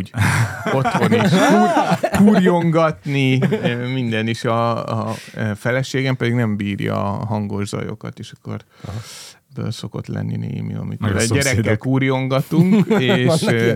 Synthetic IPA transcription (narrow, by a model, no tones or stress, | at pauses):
o̞tt̪ho̞niʃ | kuːrjo̞ŋɡɒt̪nimind̪ɛniʃɒ | fɛlɛʃeːɡɛmpɛd̪iɡnɛmbiːrjɒ̰ɦɒŋɡo̞ʒzɒ̰jo̞̰kɒ̰t̪eːʃɒ̥kːo̞r | bø̰lso̞ko̞t̪lɛ̰nːinḛːmḭɒ̰mit̪ːd̪ɟɛɾɛːɛlkuːrjo̞ŋɡɒt̪uŋkeːʃ